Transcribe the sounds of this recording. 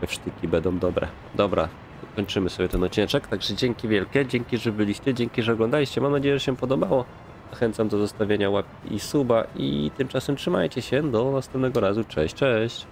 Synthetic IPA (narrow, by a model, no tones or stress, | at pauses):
ɛfʂt̪ɘkʲibɛnd̪ɔ̃w̃d̪ɔbɾɛ̰ | d̪ɔbɾa̰ | kɔɲt͡ʂɘmɘsɔbʲjɛt̪ɛnɔt͡ɕɛt͡ʂɛkt̪aɡʐɛd͡ʑɛŋkʲivʲjɛlkʲɛd͡ʑɛŋkʲiʐɛbɘlʲiɕt͡ɕɛd͡ʑɛŋkʲiʐɛɔɡlɔ̃nd̪alʲiɕt͡ɕɛmamnad͡ʑejɛʐɛɕɛpɔd̪ɔbawɔ | z̥axɛnt̪samd̪ɔzɔst̪avʲjeɲawap̚ʲiʔisubaḭt̪ɘmt͡ʂasɛmtʂɘma̰jt͡ɕɛɕɛd̪ɔnast̪ɛmp̪̚nɛɡɔɾazut͡ʂɛ̰ɕt͡ʂɛɕt͡ɕ